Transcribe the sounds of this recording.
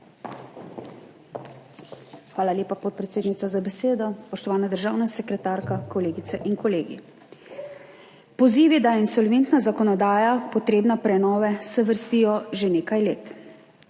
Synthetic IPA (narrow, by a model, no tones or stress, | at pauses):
xʋaːlaljeːpapɔt̪̚pɾɛt̪seːd̪nit̪sazabɛseːd̪ɔspɔʃt̪ɔʋaːnad̪əɾʒaːwnasɛkɾɛt̪aɾkakɔleːɡit̪sɛʔinkɔleːɡḭ | pɔziːʋid̪ajɛinsɔlʋent̪nazakɔnɔd̪aːjapɔt̪ɾeːbnapɾɛnɔːʋɛsɛʋəɾst̪iːjɔʒeneːkajleːt̪